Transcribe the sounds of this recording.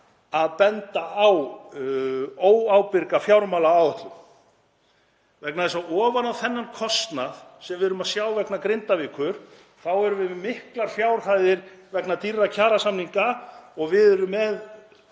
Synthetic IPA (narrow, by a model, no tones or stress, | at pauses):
aðpɛnt̪aaw | oːwawpɪɾkafjawɾmaːlaaːwɛht̪lʏm | vɛknaðɛsaɔːvanawθɛnːankʰɔst̪naðsɛmvɪðʏɾʏmaðsjaːwvɛknakɾɪnt̪avɪkʰʏɾ̥ | θawɛɾʏvɪmɪhklaɾ̥fjawɾ̥hajðɪɾvɛknat̪irːacʰaːɾasamniŋkaɔɣvɪðɛɾʏmːɛð